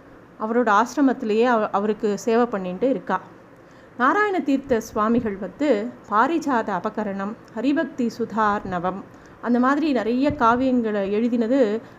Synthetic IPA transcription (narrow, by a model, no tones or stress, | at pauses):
ɐʋɐɾoːɽɐaːsɾɐmɐt̪ːɪlɐjeːʔɐʋɐɾɯkːɯseːʋɐpːɐɳːɪɳɖɯɪɾɯkːaː | naːɾaːjɐnɐt̪iːɾt̪ɐsʋaːmɪɣɐɭʋɐnd̪ɯpaːɾɪt͡ʃaːðɐːbɐɣɐɾɐɳɐmhɐɾɪbɐk̚t̪isʊd̪ʱaːɾɳɐʋɐm | ʔɐnd̪ɐmaːðɪɾinɪɾɐjɐkaːʋɪjɐŋɡɐɭɐɛɻɯðɪnɐðɯ